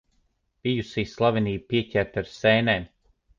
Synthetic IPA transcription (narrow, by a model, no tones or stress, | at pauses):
b̥ijusiːslˠaviniːb̚piɛcʲæɾt̪aɾsɛjnɛːm